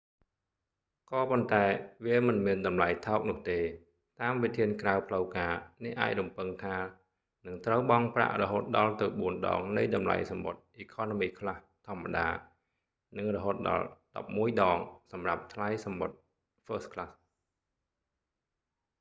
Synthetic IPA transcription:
kɑːpont̪aɛʋiəmɨnmiənɗɑmlajt̪ʰaɔk̚nʊ̆əht̪eː | t̪aːmʋit̪ʰiənkraəwpʰləwkaːnihʔa̰ːc̚rumpɨŋt̪ʰaː | nɨŋt̪rəwɓɑŋpra̰ʔrɔɦoːt̪̚ɗɑlt̪ɨwɓuənɗɑ̰ːŋnɨjɗɑmla̰jsɑmɓo̰t̪̚ʔiːkʰoːnomiːkʰlaht̪ʰŏəmːaɗa̰ː | nɨŋrɔɦoːt̪̚ɗɑ̰lɗɑ̰p̚muəjɗɑːŋsɑmrap̚t̪ʰlajsɑmɓot̪̚ | fəːskʰlas

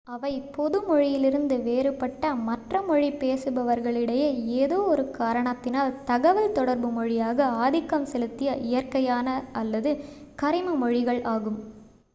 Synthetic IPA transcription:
ɐʋɐɪpɔðɯmɔɻɪjɪlɪɾɯnd̪ɯʋeːɾɯpːɐʈːɐmɐʈrɐmɔɻipeːsɯbɐʋɐɾɣɐɭɪɽɐjeeːðoːɔɾɯkaːɾɐɳɐt̪ːɪnaːlt̪ɐɣɐʋɐlt̪ɔɽɐɾbɯmɔɻɪjaːɣɐaːðɪkːɐmsɛlɯt̪ːɪjɐʔɪjɐɾkɐjaːnɐʔɐlːɐðɯkɐɾɪmɐmɔɻɪɣɐɭʔaːɣɯm

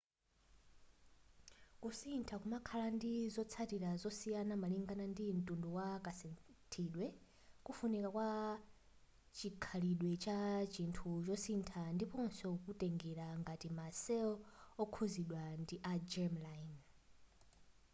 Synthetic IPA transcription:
kusintʰakumakʰalandizɔt͡sʰatiɾazɔsijanamaliŋɡanandin̩tʼunduwakasɛntʰiɗwɛ | kufunikakwa | t͡ʃikʰaliɗwɛt͡ʃat͡ʃintʰut͡ʃɔsintʰandipɔnsɔkutɛŋɡɛɾaŋɡatimasɛɔɔkʰuziɗwandiʔad͡ʒɛmlan

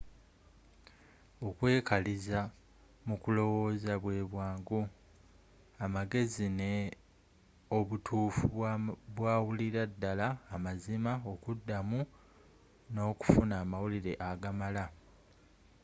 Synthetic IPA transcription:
o̞kwe̞ːkaliza | mukulo̞wo̞ːzaβwe̞ːβwaːŋɡu | amaɡe̞zine | oβutʰuːfuβwaːwuliɾadːalaːmazimao̞kudːamu | no̞ːku̥funaːmawuliɾe̞ʔaɡamala

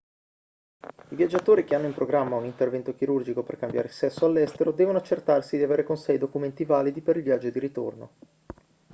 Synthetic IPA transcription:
ivjad͡ʒːat̪oːɾik̟eanːoimpɾoɡɾamːaunint̪ervɛnt̪ok̟iɾurd͡ʒikoperkambja̰ːɾeisɛsːoalːɛst̪eɾod̪ɛːvonoat͡ʃːert̪arsid̪iaveːɾekonsɛid̪okument̪ivaːlid̪ipeɾilvjad͡ʒːod̪iɾit̪o̰rno̰

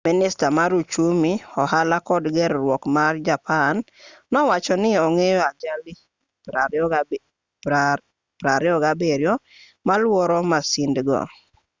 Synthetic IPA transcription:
minɪstamaɾut͡ʃumiɔɦalakɔdɡɛɾɾwɔkmard͡ʒapanː | ɔwat͡ʃɔnɪɔŋejɔad͡ʒali | pɾaɾɛɔɡabeɾjɔ | malwɔɾɔmasɪndɡɔ̰

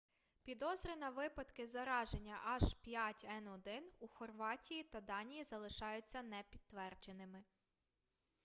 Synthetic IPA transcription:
pʲid̪ɔzɾʲɪnɐʋɪpɐd̪kɪzɐɾɑʒenʲːɐʔɐʒpʲjatʲɛnɔd̪ɪnuxɔrʋɑtʲijit̪ɐd̪ɑnʲijizɐlˠɪʃɑjʊt͡sʲːɐnɛpʲid̪t̪ːʋɛrd͡ʒenɪmɪ

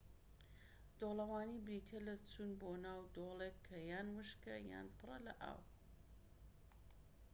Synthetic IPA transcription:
d̪̥olˠɐwaːnibɾiːt̪ʰelɐt͡sunbonaːwd̪olekʰːɐjaːnwɨʃkɐja̰ːnpʰɨrˤɐ̰lɐ̰ʔa̰ːw

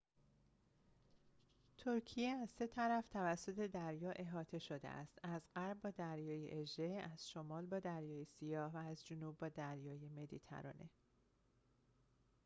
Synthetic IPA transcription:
t̪ʰoɾcʰijeæz̥se̞t̪ʰæɾæft̪ʰævæsːo̞t̪ʰe̞d̪æɾjɒːʔe̞ɦɒːt̪ʰe̞ʃod̪ḛʔæ̰st̪æzɢæɾb̚bɒːd̪æɾjɒːjeʔed͡ʒeæz̥ʃomɒːlbɒːd̪æɾjɒːjesijɒːhvæːzd͡ʒonuːb̚ːɒːd̪æɾjɒːjeme̞d̪it̪ʰæ̰ɾɒ̰ːnʔe̞̰

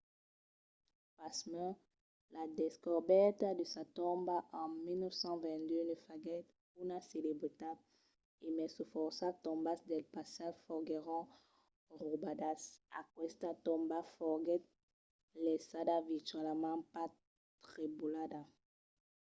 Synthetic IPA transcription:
pasmɛ | lad̪ɛskɔʁbɛt̪ad̪əsat̪ɔ̃mbaʔɑ̃milnœfsɑ̃vɛ̃nd̪ønəfaɡɛt̪̚ | unaselebʁit̪at | emɛsufɔʁsat̪ɔ̃mbasd̪ɛlpasafɔʁɡeʁɔ̃ | ʁubad̪asa̰kwɛst̪at̪ɔ̃mbafɔʁɡɛt̪̚ | lɛsadaviʁt̪ɥɛlmɑ̃pa | t̪ʁibulad̪a

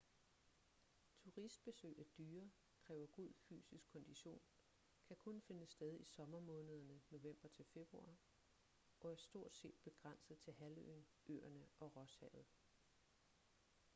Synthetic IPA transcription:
t͡sʰuʁisd̥̚b̥e̝sø̰ːɪæd̥yːɐ | kʰʁɛːʊɐɡ̥uð̰ˠfy̰ːsisɡ̥̚kʰːɒ̽nd̥iɕo̝̰ːn | kʰækʰɔ̽nfe̝nəsd̥eð̞ˠisɒ̽mɐmɔ̽ːnəð̞ˠɐnəno̝ʋem̰b̥ɐt͡sʰe̝lfe̝b̥ʁuɑ̰̈ | ɒ̽æɐsd̥o̝ɐ̰d̥se̝̰ːd̥̚b̥e̝ɡ̥ʁɑn̰sð̞̩ˠt͡sʰe̝lɦælø̰n | ø̰ːɐnəʔɒ̽ʁɒ̽shɛ̰ð̞̩ˠ

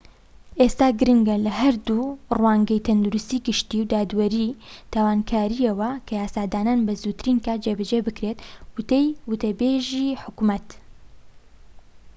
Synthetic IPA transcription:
ʔeːst̪aːɡɨɾɨŋɡɐlɐɦɐɾd̪urwaːŋɡɛjt̪ʰɐnd̪uɾɨst̪iːɡɨʃt̪iːwd̪aːd̪wɐɾit̪ʰaːwaːnkʰaːɾijewɐkʰɐjaːsaːd̪aːnaːnbɐzuːt̪ɨɾiːnkʰad͡ʒeːbɛd͡ʒeːbɨkɾeːt̪wɨt̪ejwɨt̪ɐbeːʒiːħʊkumɐt̪

